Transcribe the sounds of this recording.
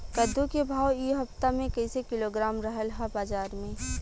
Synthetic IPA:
kəd̪ʱːukebʱaːwiɦɐft̪amẽkɐɪsekɪloɡɾaːmɾəɦəlɦabaːd͡ʒaːɾmẽ

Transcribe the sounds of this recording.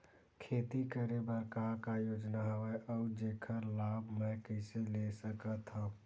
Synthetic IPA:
kʰeːt̪ikəɾebəɾkaɾkajoːd͡ʒnaɦəʋɛʔɔud͡ʒeːkʰəɾlabʱmɛ̃kəɪselesəkət̪ɦə̃

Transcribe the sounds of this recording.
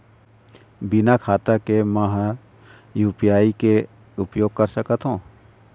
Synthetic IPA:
bɪnakʰaːt̪akeməɦ | juːpijaːike | ʊpjoːɡ̚kɐɾsəkət̪ɦõː

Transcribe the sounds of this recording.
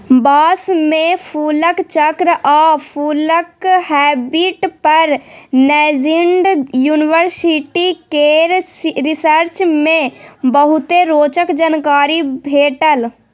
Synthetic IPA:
baːsmẽpʰuːləkt͡ʃəkɾʔapʰuːləkhɛːbiʈpəɾnɛd͡ʒiɳɖjuːniʋəɾsiʈikeɾsɾisəɾt͡ʃmẽbəɦut̪eɾoːt͡ʃəkd͡ʒənkaːɾibʱeːʈəl

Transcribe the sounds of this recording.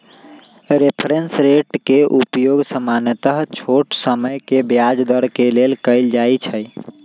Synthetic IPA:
ɾepʰɾensɾeʈkeʔupjoɡsəmanət̪əɦt͡ʃʰoʈsəməjkebjad͡ʒd̪əɾkelelkəɪld͡ʒajt͡ʃʰəj

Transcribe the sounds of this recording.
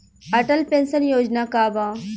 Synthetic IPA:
ɐʈəlpẽnsənjoːd͡ʒnaːkaːbãː

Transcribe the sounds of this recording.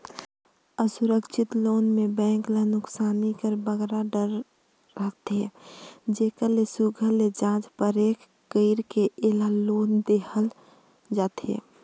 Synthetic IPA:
əsʊɾəkʃʰɪt̪loːnmebɛ̃ːŋklənʊksaːnikəɾbəɡɾaɖəɾː | əɦt̪ed͡ʒeːkəlesuɡʱəled͡ʒãːd͡ʒpəɾeːkː | əɪɾkeelaloːnd̪ehəl | d͡ʒaːt̪ḛː

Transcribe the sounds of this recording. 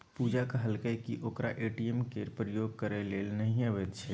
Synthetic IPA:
puːd͡ʒakaɦəlkəjkiʔoːkɾa̰ʔeːʈiemkeːɾpɾəjoːɡ̚kəɾeleːlnəɦĩəʋet̪t͡ʃʰɛ

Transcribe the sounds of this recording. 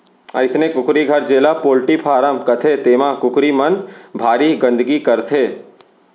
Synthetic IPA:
ɐ̰ɪsnẽkʊkɾiɡʱɐɾd͡ʒeːlapoːlʈipʰaːɾəmkɐt̪ʰet̪eːmãkʊkɾimɐnbʱaːɾiɡə̃nd̪ɡikɐɾt̪ʰeː

